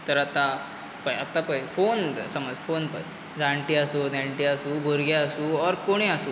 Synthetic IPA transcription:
t̪əɾat̪a | pəjat̪apəjfonsəməd͡zfonpə̰j | d͡zãɳʈiasunaɳʈiasuːbʱoɾɡaasuːɔɾkoɽ̃ĩasuː

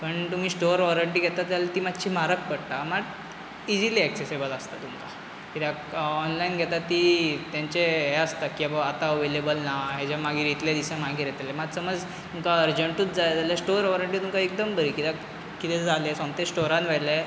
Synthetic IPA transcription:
pəɳt̪um̤iːsʈoɾʋɔɾəɳʈiːɡʱɛt̪at̪alet̪iːmad̪ɕiːmaɾək̚pəɽt̪aməɡ | id͡ʑiliɛksesebələst̪at̪umka | kit̪ʰaɔnlainɡʱɛt̪at̪ːit̪jãɲt͡ɕeɦeəst̪akiabəat̪aəʋelebəlnaɦed͡ʑjamaɡiːɾit̪lad̪isãmaɡiːɾeɛt̪lemad͡z̪səməd͡z | t̪umkaəɾd͡ʑəɳʈũt͡sd͡zaad͡zalasʈoɾʋɔɾəɳʈiːt̪umkaek̚d̪əmbəɾiːkit̪a | kit̪ed͡zalesɔ̃nt̪esʈoɾãnʋɛle

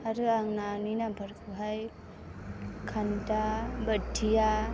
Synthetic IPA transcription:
aɾɯaŋnaninabʱaɾkʰɯɦaj | kʰantabətʰːija

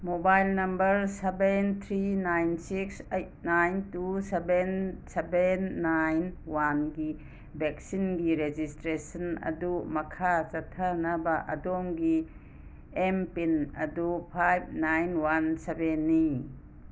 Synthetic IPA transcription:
mobajlnɐmbəɾsebent̪ʰɾinajnsiksejt̚najntusebensebenːajnwanɡi | bek̚sinɡiɾed͡ʒistɾesɐnɐ̰dumɐkʰat͡ʃɐtʰːanabaʔɐdɔmɡi | empinɐdupʰajb̚najnwansebenːi

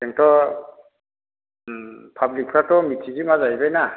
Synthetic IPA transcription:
eŋtɔ | pʰablik̚pʰɾatɔmitʰizimazajbajna

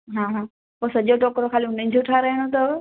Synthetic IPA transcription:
ɦãːɦãː | posɐʄoʈɔːkɾokʰaːliʊnə̃ɪ̃d͡ʑoʈʰaɾəɦiɽ̃ot̪ɐʋ

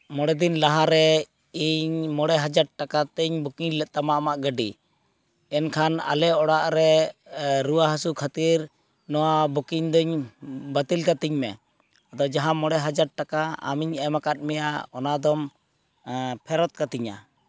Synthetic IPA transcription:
mɔɽɛd̪inlaɦaɾɛ | iɲmɔɽɛɦad͡ʒaɖ̚ʈakat̪əɲbukiɲlɛt̪̚ːamaʔmaʔɡəɖḭ | ɛnkʰana̰lɛɔɽaʔɾɛ | ɾuwaɦasukʰat̪iɾ | nɔwabukiɲd̪ɔɲbət̪ilkat̪iɲmɛ | ad̪ɔd͡ʒaɦãmɔɽɛɦad͡ʒaɖ̚ʈakaa̰miɲamakat̪̚ˀmɛja̰ɔnad̪ɔm | pʰɛɾɔt̪̚kat̪iɲa̰

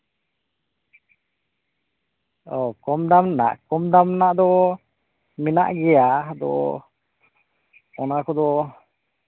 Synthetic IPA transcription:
ɔkɔmd̪amna̰ʔkɔmd̪amnaʔd̪ɔ | mɛna̰ʔɡɛjad̪ɔ̰ | ɔnakʰɔd̪ɔ

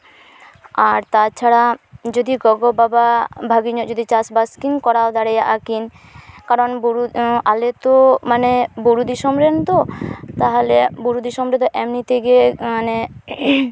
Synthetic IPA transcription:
aɾt̪at͡ʃʰaɽad͡ʒod̪iɡɔɡobababʱaɡiɲotd͡ʒod̪it͡ɕasbaskinkɔɾawd̪aɾɛjaʔakin | kaɾɔnbuɾualet̪omaneboɾud̪iʃɔmɾent̪ot̪aɦolebuɾud̪iʃɔmɾet̪ɔʔɛmnit̪ʰeɡemane

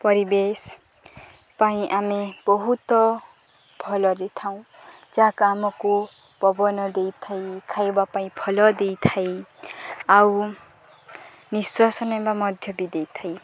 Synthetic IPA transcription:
pʌɾibes | paĩʔamibʌɦut̪ʌ | bʰʱʌlʌɾit̪ʰaw̃ | d͡zãkamʌko | b̥ʌbʌnʌd̪ejt̪ʰajkʰajwapaĩpʰʌlʌd̪ejt̪ʰaj | aw | niswasʌnemamʌd̪ʱjʌbid̪ejt̪ʰaj

